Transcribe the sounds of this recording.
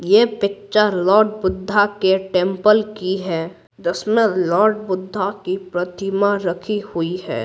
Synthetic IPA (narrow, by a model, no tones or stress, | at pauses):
jeːpɪtːʃalɔːɾɖ̚bʊd̪ʱːakeʈẽmpəlkiɦɛː | d͡ʒəsmẽlɔːɾɖbʊd̪ʱːakipɾɐt̪ʰɪmaɾɐkʰihʊiɦɛ̰ː